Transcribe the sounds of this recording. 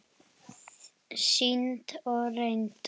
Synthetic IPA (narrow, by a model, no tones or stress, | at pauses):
sint̪ɔɾejnt̪